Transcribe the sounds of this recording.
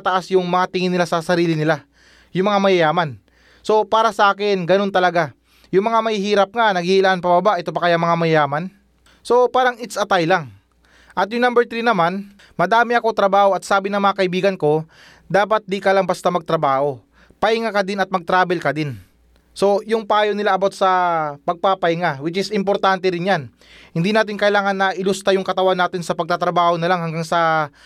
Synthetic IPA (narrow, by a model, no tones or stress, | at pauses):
t̪ɐʔasjʊŋmɐŋat̪ɪŋɪnɪlasɐsɐɾiːlɪnɪla | jʊŋmɐŋamɐjɐjaːmɐn | so̞paːɾɐsɐʔaːkɪnɡɐno̞nt̪ɐlɐɡa | jʊŋmɐŋamɐhihiːɾɐp̚ŋanɐɡihilaʔnpɐbɐbaʔɛt̪opɐkɐjamɐŋamɐjɐjaːmɐn | so̞paːɾɐŋɪt̪sɐt̪ajlaŋ | ʔɐt̪jʊŋnambɛɾt̪ɾiːnɐman | mɐd̪aːmɪʔɐko̞t̪ɾɐbaːho̞ɐt̪̚saːbɪnɐŋmɐŋakɐʔɪbiːɡɐnko̞ | d̪aːpɐt̪̚d̪ikɐlaŋbɐst̪amɐɡ̚t̪ɾɐbaːho̞ | pɐɪŋakɐd̪ɪnɐt̪̚mɐɡ̚t̪ɾaːbɛlkɐd̪ɪn | so̞jʊŋpɐaːjonɪlaʔɐbot̪sɐpɐɡ̚papɐɪŋawɪt͡ʃɪsɪmp̬o̞ɾt̪ant̪ɛɾɪnjan | hɪnd̪iːnaːt̪̬ɪŋkɐʔɪlaːŋɐnːɐʔɪlʊst̪ajʊŋkɐt̪ɐwanːaːt̪ɪnsɐpɐɡ̚t̪at̪ɾɐbaːho̞nɐlaŋɦɐŋɡaŋsɐ